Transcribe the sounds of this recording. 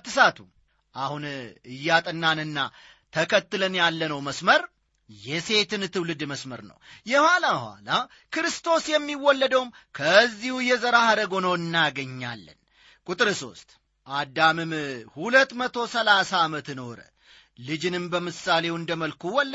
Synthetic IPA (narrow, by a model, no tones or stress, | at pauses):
t̪ːɨsat̪ʰṵ | ʔahunɨjːat̪ʼɨnːanɨnːa̰ | t̪ʰəkʰət̪ːɨlənjalːənəwməsməɾ | jɛse̞t̪ʰɨnt̪ʰɨwlɨd̪məsməɾnə̰wjɛhʷwalahwa̰la | kɨɾɨst̪ʰo̞sjɛmːiwɔlːəd̪əwum | kʰəzːihujɛzəɾahaɾəɡo̞nowɨnːaɡəɲːa̰lːə̰n | kʼut̪ʼɨɾɨso̞̰st̪ʼ | ʔad̪amɨmhulət̪ːmət̪ʰo̞səlasaːmət̪noɾə̰ | lɨd͡ʒɨnɨmbəmɨsːale̞wɨnd̪əməlkʰuwɔlː